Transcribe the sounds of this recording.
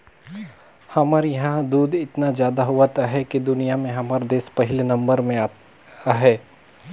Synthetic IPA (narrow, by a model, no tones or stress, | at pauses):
hɐməɾjɐɦãd̪uːd̪ɪt̪nazjaːd̪aɦuat̪aɦɛkid̪ʊnijamẽɦɐməɾd̪eːspɐɦɪlnɐ̃mbəɾmẽ | aɦɛː